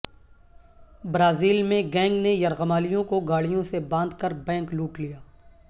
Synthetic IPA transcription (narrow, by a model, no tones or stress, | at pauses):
bɾaːziːlmẽɡɛ̃ːŋɡnejɐɾɣəmaːlijõkoɡaːɭijõsebãːnd̪kɐɾbɛ̃ːŋkluːʈlijaː